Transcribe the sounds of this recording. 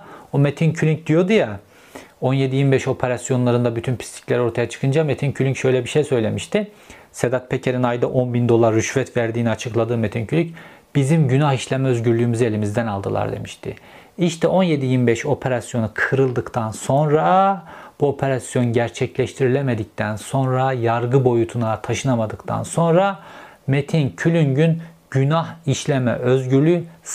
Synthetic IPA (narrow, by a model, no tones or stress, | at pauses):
omet̪ʰincʰylʲyɲc̚d̪ijo̞d̪uja | o̞nje̞d̪ijimbɛʃo̞pʰe̞ɾasjo̞nlˠaɾɯnd̪abyt̪ʰynpʰi̥st̪ʰi̥clʲæɾo̞ɾt̪ʰajat͡ʃʰɯ̥kʰɯnd͡ʒamet̪ʰincʰylʲyŋcʃø̞jlʲɛbiʃejsø̞jlʲe̞miʃt̪ɪ | sed̪at̪̚pʰecʰeɾinajd̪aʔo̞nbind̪o̞lˠaɾːyʃvɛt̪væɾd̪iːniat͡ʃʰɯklˠad̪ɯːmet̪ʰincʰylʲyc | b̥izimɟynahiʃlʲemɛøzɟyɾlʲyːymyze̞lʲimizd̪ænalˠd̪ɯlˠa̰ɾd̪e̞̰miʃt̪ʰɪ̰ | iʃt̪ʰɛo̞nje̞d̪ijimibɛʃo̞pʰe̞ɾasjo̞nɯkʰɯɾɯlˠd̪ɯkt̪ʰanso̞nɾab̥uo̞pʰe̞ɾasjo̞nɟæɾt͡ʃʰɛclʲɛʃt̪ʰiɾilʲemed̪ic̚t̪ʰænso̞nɾajaɾɡɯbo̞jut̪ʰunat̪ʰaʃɯnamad̪ɯkt̪ʰa̰nso̞nɾa | met̪ʰincʰylʲynɟynɟ̥ynahiʃlʲemɛ̰ʔøzɟyɾlʲy